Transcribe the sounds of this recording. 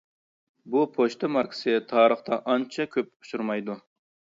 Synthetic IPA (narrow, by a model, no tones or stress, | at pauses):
bupʰoʃt̪ʰɨmɑɾkʰɪ̥sɨt̪ʰɑːɾəχt̪ɑʔɑnt͡ʃʰɑkʲʰøp̚u̥ʃuɾmɑjd̪u